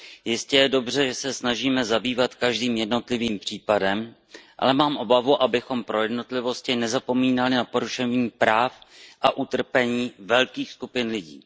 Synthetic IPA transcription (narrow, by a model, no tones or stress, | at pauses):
jɪscɛjɛdo̞br̝ɛʒɛsɛsnaʒiːmɛzabiːvat̪kaʒdiːmjɛdno̞t̪lɪviːmpr̝̥iːpadɛm | ʔa̰lɛmaːmʔo̞bavuʔabɪxo̞mpɾo̞jɛdno̞t̪lɪvo̞scɪnɛzapo̞miːnalɪnapo̞ɾuʃɛvɲiːpɾaːfʔaʔut̪r̩pɛɲiːvɛlkiːxskupɪnlɪɟḭː